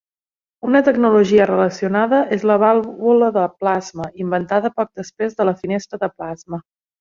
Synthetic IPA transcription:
unət̪əɡnuluʒiərələsiunaðəʔezləβ̞alˠβuləðəplazməimbənt̪aðəpɔk̚d̪əspɾezðələfinest̪ɾəðəplazmə

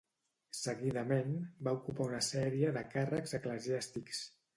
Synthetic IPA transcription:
səɣiðəmenbaukupaunəsɛɾiəðəkarəkzəkləziast̪iks

